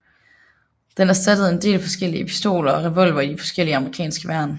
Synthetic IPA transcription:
d̥enæɐsd̥æd̥əð̞̩ˠe̝nd̥e̝̰ːlfɒ̽sɡ̥el̰iəepʰi̥sd̥o̝̰ːlɐɒ̽ʁɛʋɒ̽l̰ʋɐid̥ifɒ̽sɡ̥el̰iəɑ̈məʁikʰɛ̰ːnsɡ̥əʋæɐ̰n

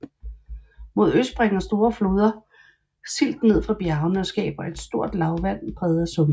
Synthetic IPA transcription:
mo̝ð̞̰ˠøsd̥̚b̥ʁɛŋ̰ɐsd̥o̝ːɐflo̝ːð̞ˠɐ | sil̰d̥ne̝ð̞̰ˠfʁɑ̈b̥jæʊnəɒ̽sɡ̥ɛ̰ːb̥ɐʔe̝d̥sd̥o̝ɐ̰d̥lɑ̈ʊʋæn̰pʰʁɛːð̩ˠæsɔ̽m

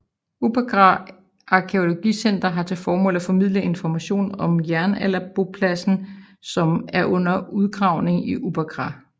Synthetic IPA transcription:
ub̥æɡ̥ʁɑ | ʔɑ̈kʰe̝o̝lo̝ɡ̥ḭsen̰d̥ɐɦɑ̈t͡sʰe̝lfɒːmɔ̰̽l̰æfɒ̽mið̞̰ˠləe̝nfɒmæɕo̝̰ːnɒ̽mjæɐnælæb̥o̝pʰlæsn̩ | sɒ̽mæɐʔɔ̽n̰ɐuðˠɡ̥ʁɑ̈ʊ̰ne̝ŋiʔub̥æɡ̥ʁɑ̈

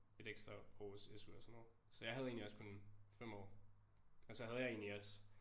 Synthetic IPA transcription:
e̝ɾ̥eɡ̥sd̥ʁɐɒ̰ːsesuɒsnɒð̩ˠ | sɒ̽jɑ̈ɪɦæð̞ˠe̝ːnliɒ̽skʰo̽nfem̰ɒ̰ː | ɒ̽sɒ̽hæð̞̩ˠjɑ̈ɪe̝ːniɒ̽s

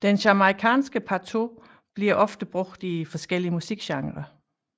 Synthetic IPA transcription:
d̥enɕɑmʁikʰɛ̰ːnsɡ̥əpʰɑt͡sʰo̝ | b̥liɐ̰ʔɒ̽fd̥əb̥ʁɔɡ̥̚d̥ifɒ̽sɡ̥el̰iəmusiɡ̥ɕɑ̈ŋʁɐ

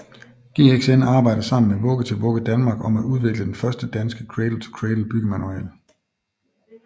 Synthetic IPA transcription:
ɡ̥e̝̰ːeɡ̥senɑ̈ːb̥ɑ̈ɪ̰d̥ɐsɑ̈m̰n̩meʋɔ̽ɡ̥ət͡sʰe̝lʋɔ̽ɡ̥əd̥ænmɑ̈ːɡ̥ɒ̽mæʔuð̞ˠʋe̝ɡ̥ləd̥enfɶɐsd̥əd̥ænsɡ̥əkʰʁed̥l̩ˠt͡sʰekʰʁedl̩b̥yɡ̥əmænuɛ̰ːl

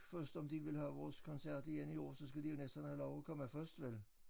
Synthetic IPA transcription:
fɶɐsd̥ɒ̽md̥iʋe̝lɦæʋɒːskʰɒ̽nsæɐ̰d̥iɡenio̰ːsɒ̽sɡ̥æd̥ijo̝nesd̥ɐnhælɒʊɒkʰɒ̽məfɶɐsd̥ʋel

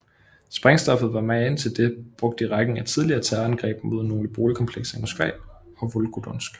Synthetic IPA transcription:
sb̥ʁɛŋsd̥ɒ̽fð̩ˠʋɑ̈mænt͡sʰe̝ld̥e̝b̥ʁɔ̽ɡ̥̚d̥əiʁɑ̈ɡ̥neŋæt͡sʰið̞ˠliɐːt͡sʰæɐænɡ̥ʁɛ̰ːb̥̚mo̝ðˠnːo̝ːləb̥o̝ːləkʰɒ̽mpʰleɡ̥sɐimosɡ̥ʋɛ̰ː | ɒ̽ʋolɡ̥ud̥ɔnsɡ̥

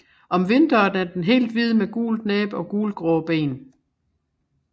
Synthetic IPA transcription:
ʔɒ̽mʋe̝nd̥ɐːd̥æɐd̥enɦe̝̰ːld̥ʋiðˠmeɡ̥ṵːld̥nɛːb̥ɒ̽ɡ̥uːlɡ̥ʁɔːb̥e̝̰ːn

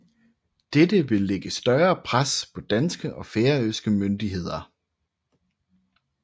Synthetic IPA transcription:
d̥ed̥əʋe̝lːeɡ̥əsd̥ɶɐːpʰʁaspʰɒ̽d̥ænsɡ̥əʔɒ̽feːɐøsɡ̥əmønd̥iɦe̝ð̞̰ˠɐ

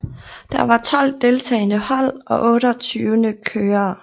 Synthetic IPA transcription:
d̥ɑʋɑ̈t͡sʰɒ̽l̰d̥e̝lt͡sʰɛɪnəhɒ̽l̰ʔɒ̽ʔɔ̽ːɾɒt͡sʰyːʊənəkʰøːɐː

